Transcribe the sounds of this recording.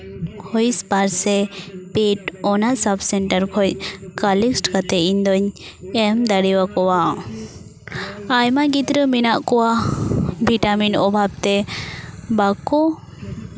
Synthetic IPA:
hɔjspaɾsɛpiʈɔnasabsɛɳʈaɾkʰɔj̚kaliksʈkat̪ɛiɲd̪ɔɲ | ɛmd̪aɽiwakɔwa | ajmaɡit̪ɾəminaʔkɔwa | bʱiʈaminɔbʱab̚t̪ɛ | bakɔ

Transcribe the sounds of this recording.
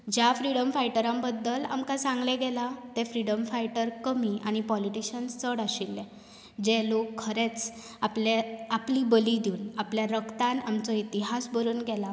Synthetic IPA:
d͡ʑjafɾiɽəmfajʈəɾambəd̪ːəla̰mkasãŋɡlɛɡɛlat̪ɛ̃fɾiɽəmfaiʈəɾkəmiʔa̰ñipɔliʈiɕənst͡səɽaɕilːɛ̃ | d͡ʑelokʰːəɾet͡s | apleaplibəlid̪iuːnapljaɾəkt̪anamt͡sɔit̪iɦasbəɾuːnɡɛla

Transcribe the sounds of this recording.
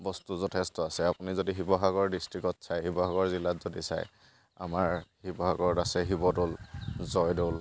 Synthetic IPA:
bɔstuzɔtʰɛstɔasɛapunizodiɦibɔɦaɡɔɹdistɹikɔtsajɦibɔɦaɡɔɹzilatzodisa̰j | amaɹhibɔɦaɡɔɹdasɛɦibɔdolzɔjdol

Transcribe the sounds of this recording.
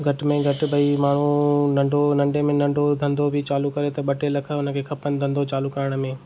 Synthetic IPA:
ɡʱɐʈmẽɡʱɐʈɪbɐimaːɳ̤unɐ̃ɳɖonɐ̃ɳɖemẽnɐ̃ɳɖʱod̪ʱɐ̃nd̪obʱɪt͡ɕaːlukɐɾet̪ɐɓɐʈelɐkʰəʊnə̆kʰekʰɐpənɪd̪ʱɐ̃nd̪ot͡ɕaːlukɐɾəɽ̃ə̆mẽː

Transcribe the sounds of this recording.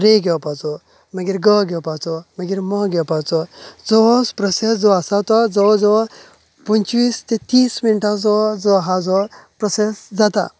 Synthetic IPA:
ɾeɡepat͡sɔ | məɡiɾɡəɡɛpat͡sɔməɡiɾmɔɡɛwpat͡sɔd͡zɔɔspɾɔsesd͡zɔasat̪ɔd͡zɔɭɔd͡zɔ | pənt͡ʃʋiːst̪et̪iːsminʈad͡zɔd͡zɔɦad͡zɔpɾɔsesd͡zat̪a̰

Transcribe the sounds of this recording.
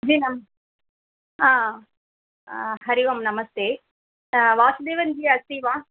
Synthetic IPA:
d͡ʒiːnɐm | ãː | ɦɐɾiʋɐmnɐmɐst̪eː | ʋaːsud̪eːʋɐnd͡ʒiːɐst̪iːʋaː

